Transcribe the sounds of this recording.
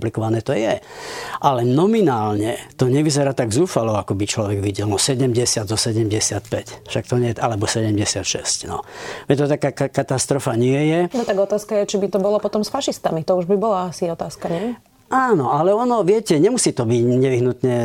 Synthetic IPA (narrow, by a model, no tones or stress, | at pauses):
mplikɔʋanɛːt̪ɔjɛʔalɛnɔminaːlɲɛt̪ɔɲɛʋizɛɾaːt̪aɡzuːfalɔakɔbit͡ʃlɔʋɛɡʋiɟɛlnɔsɛɟɛmɟɛsɪad̪zɔsɛɟɛmɟɛsɪat̪pɛcfʃakt̪ɔɲɛjɛʔalɛbɔsɛɟɛmɟɛsɪat̪ʃɛ̰scnɔ̰ʋɛt̪ɔt̪akaːkakat̪ast̪ɾɔfaɲɪɛjɛnɔt̪aɡɔt̪aːskajɛt͡ʃibit̪ɔbɔlɔpɔt̪ɔmsfaʃist̪amit̪ɔuʒbibɔlaasiɔt̪aːskaɲɪɛ | aːnɔalɛɔnɔʋɪɛcɛɲɛmusiːt̪ɔbiɟɲɛʋiɦnut̪ɲɛ